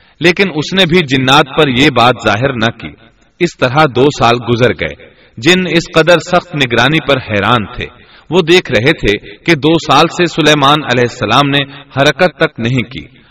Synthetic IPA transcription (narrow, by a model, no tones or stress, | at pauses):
leːkɪnʊsnebʱid͡ʒɪnːaːt̪̚pɐɾjebaːt̪zaːɦɪɾnɐkḭː | ɪst̪ɐɾɦad̪oːsaːlɡʊzəɾɡɐ̰ḛː | d͡ʒɪnɪsqɐd̪əɾsɐxt̪nɪɡɾaːnipɐɾhɛːɾaːnt̪ʰḛː | ʋod̪eːkʰɾɐɦet̪ʰeked̪oːsaːlsesʊlɛːmaːnɐlɛːɦɪsːɐlaːmnehɐɾəkət̪ːɐknɐɦĩkḭː